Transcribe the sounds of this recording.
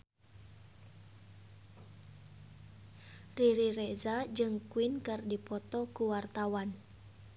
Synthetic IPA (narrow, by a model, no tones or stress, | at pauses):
riɾiɾɛzad͡ʒɨŋkuinkɨrdipɔt̪ɔkuwart̪awan